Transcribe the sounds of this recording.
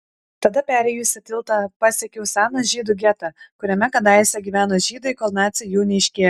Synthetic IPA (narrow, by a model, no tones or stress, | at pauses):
t̪ɐd̪ɐpʲæːɾʲɛjʊsʲɪt̪ʲɪlˠt̪ɐpɑːsʲeɛkʲɛʊsʲæːnoʒʲiːd̪ʊɡʲɛt̪ɑkʊɾʲɛmʲɛkɐd̪ɑɪsʲɛɡʲiʋʲæːnoːʒʲiːd̪ɐɪkoːlˠnɑːt̪sʲɪjuːnʲɛɪʃʲkʲeː